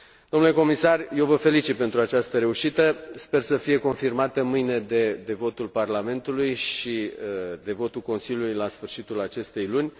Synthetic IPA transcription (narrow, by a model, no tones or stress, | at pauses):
d̪omnule̞ko̞misarje̞wvəfe̞lit͡ʃit̪̚pe̞nt̪ɾuat͡ʃast̪əɾe̞uʃit̪əspe̞rsəfije̞ko̞nfirmat̪əmɨjne̞d̪ed̪e̞vo̞t̪ulparlame̞nt̪ulujʃid̪e̞vo̞t̪ulko̞nsilʲjulujlasfɨrʃit̪ulat͡ʃe̞st̪e̞jlunʲ